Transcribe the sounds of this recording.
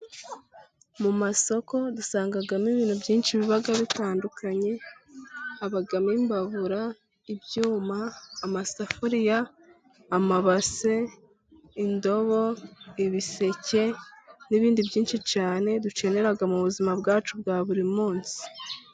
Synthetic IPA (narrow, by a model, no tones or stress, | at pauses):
mumaso̞ko̞dusaːŋɡaɡamiβiːnhubɟiːnʃiβiβaɡaβitaːndukʰaɲe̞ | haβaɡamimbaβuɾa | ibɟuːmaːmasafoɾijaː | maβase̞ | indo̞βo̞iβise̞ce̞niβiːndibɟiːnʃit͡ʃaːne̞dut͡ʃe̞ne̞ɾaɡamuβuzimabɡaːt͡ʃub̚ɡaːβuɾimuːnsi̥